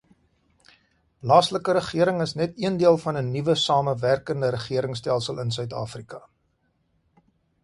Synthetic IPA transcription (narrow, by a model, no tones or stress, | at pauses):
lɑːsləkəɾəχiəɾəŋəsnɛtiəndiəlˠfɐnənivəsɑːməværkəndəɾəχiəɾəŋstælˠsəlˠəns̬œɥtɑːfrikɐ